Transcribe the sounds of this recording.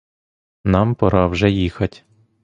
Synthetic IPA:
nɑmpɐɾɑwʒɛjixɐtʲ

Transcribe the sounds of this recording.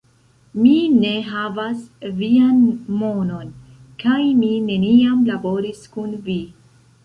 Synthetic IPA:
mine̞ɦavasvianmo̞no̞n | kajmine̞niamlabo̞ɾiskunvi

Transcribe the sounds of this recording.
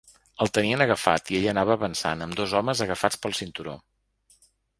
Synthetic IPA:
əlˠt̪əniənəɣəfa̰t̪ieʎənaβəβənsa̰nəmd̪ozɔməzəɣəfat͡spəlˠsint̪uɾo̰

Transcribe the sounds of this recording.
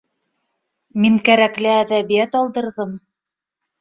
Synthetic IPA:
miŋkæɾæklɘæðæβijæt̪ɑlˠd̪ɤ̆ɾðɤm

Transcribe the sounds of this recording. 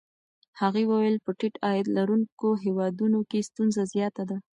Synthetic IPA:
haɣewəwəlpəʈɪʈɑjɪd̪laɾuŋkoɦewɑd̪unokest̪unzazjɑt̪ad̪a

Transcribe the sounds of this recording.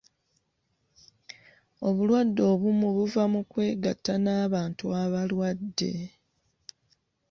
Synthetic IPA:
o̞βulwadːo̞ːβumuβuvamukwe̞ːɡatːanaːβaːntuaβalwadːe̞̰

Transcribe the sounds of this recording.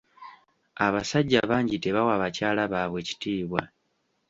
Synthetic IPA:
aβasaɟːaβaːɲɟite̞βawaβacaːlaβaːβwe̞ːci̥tiːβwa̰

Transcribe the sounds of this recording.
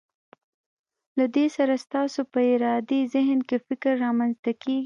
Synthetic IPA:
lad̪esaɾast̪ɑsopəɪɾɑd̪ezɪɦnkefɪkɾːɑmanzt̪akeɡi

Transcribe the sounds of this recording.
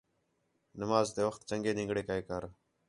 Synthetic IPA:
nəmaːzt̪eːʋəxt̪t͡ʃəŋɡeːnɪ̃ŋɡɽeːkaːeːkaɾ

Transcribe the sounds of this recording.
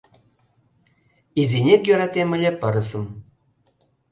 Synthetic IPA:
izʲinʲekjøɾɑt̪ʲemʲɘ̆lʲĕpɤ̆ɾɤ̆sɤ̆m

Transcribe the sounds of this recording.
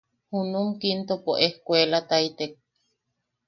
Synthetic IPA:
hunumkint̪opoʔehkʷelat̪ait̪ek̚

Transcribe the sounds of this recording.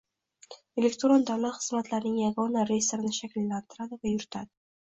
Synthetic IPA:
e̞lekt̪ɾond̪avlat̪χɨzmat̪laɾnɪŋjaɡɒnaɾeseɾɪnɪʃakʲlːant̪ʰɪɾad̪ɪvajʊɾɪt̪ʰad̪ɪ

